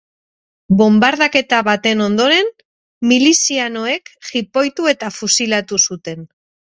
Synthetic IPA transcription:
bo̞mbaɾðake̞t̪aβat̪e̞no̞nd̪o̞ɾe̞n | milisianoe̞kxipo̞jt̪ue̞t̪afusilat̪usut̪e̞n

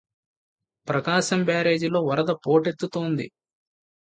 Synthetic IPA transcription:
pɾɐkaːʃɐmbjaːɾe̞ːd͡ʒilo̞ːʋɐɾɐd̪ɐpo̞ːʈe̞t̪ːut̪o̞ːnd̪ḭ

